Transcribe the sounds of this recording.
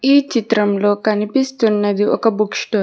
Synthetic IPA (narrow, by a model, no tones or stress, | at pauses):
iːt͡ʃit̪ɾɐmlo̞ːkɐnipist̪unːɐd̪iɔkɐbukʂʈo